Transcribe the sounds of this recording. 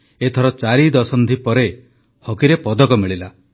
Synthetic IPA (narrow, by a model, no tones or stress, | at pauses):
et̪ʰɔɾɔt͡ʃaɾid̪ɔsɔnd̪ipɔɾe | hɔkiɾepɔd̪ɔkɔmiɭila